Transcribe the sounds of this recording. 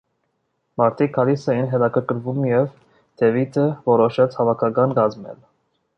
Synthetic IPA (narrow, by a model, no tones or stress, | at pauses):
mɑɾt̪ʰikʰːɑlisɛjinɦɛt̪ɑkʰəɾkəɾvumjɛv | d̪̥ɛvit̪ʰəvɔɾɔʃɛt͡sʰhɑvɑkʰɑkɑnɡɑzmɛ̰l